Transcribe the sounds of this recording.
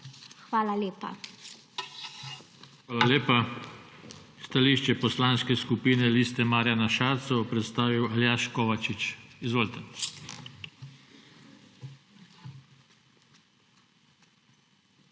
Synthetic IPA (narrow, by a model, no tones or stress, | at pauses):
xʋaːlaleːpa̰ | xʋaːlaleːpa | st̪aliʃt͡ʃɛpɔslanskɛskupiːnɛliːst̪ɛmaːɾjanaʃaːɾt̪sɔɔpɾɛt̪st̪aːʋiwaljaʃkɔʋat͡ʃit͡ʃizʋoːlt̪ɛ